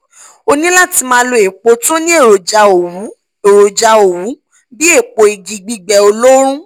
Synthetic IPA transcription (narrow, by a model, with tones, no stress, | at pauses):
o˧nĩ˦la˦˨ti˧mã˧˦lo˧e˨k͡po˧˦to˦nĩ˦e˦˨ɾo˨d͡ʒa˧o˨wu˨˦ | e˨ɾo˨d͡ʒa˧o˨wu˨˦ | bi˦e˦˨k͡po˧i˨ɡi˧ɡ͡bi˧ɡ͡bɛ˧o˧lo˦ɾ̃ũ˦